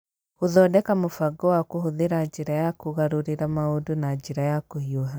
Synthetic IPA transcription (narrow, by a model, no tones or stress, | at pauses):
oðɔdɛkamofaɡɔwakohoðeɾaːd͡ʒeɾajakoɣaɾoɾeɾamaodonad͡ʒeɾajakohioɦa